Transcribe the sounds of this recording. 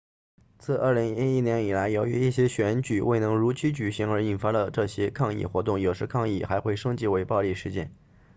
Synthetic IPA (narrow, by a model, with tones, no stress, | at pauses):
t͡sʰɹ̩˥˧ʔə̰˞˥˩li˧˥ŋi˥i˥˩njɛ˧˥ni˨˩la˧˥ɪjo˧˥ʊy˧˥i˥˩ɕ̬jɛ˥ɕɥɛ˧˥nt͡ɕy˨˩wʔe˥˩ɪnɤ˧˥ŋɻu˧˥t͡ɕʰi˧˥t͡ɕy˨˩ɕi˧˥ŋə˞˧˥i˨˩nfa˧˥lə˨ʈ͡ʂɤ˥˩ɕjɛ˥kʰɑ˥˧ŋḭ˥˩xwɔ˧˥t̪̬ʊ˥˩ŋjo˨˩ʊʂɻ̩˧˥kʰɑ˥˧ŋi˥˩xa˧˥ɪxwe˥˩ɪʂɤ˥ŋt͡ɕi˥˩we˧˥ɪpɑ˥˧ʊli˥˧ʂɻ̩˥˧t͡ɕjɛ̰˥˩n